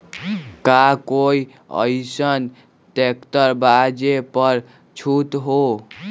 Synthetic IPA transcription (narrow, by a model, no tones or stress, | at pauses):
kakoi | ə̰ɪsən | ʈekt̪əɾbad͡ʒepəɾ | t͡ʃʰut̪ɦo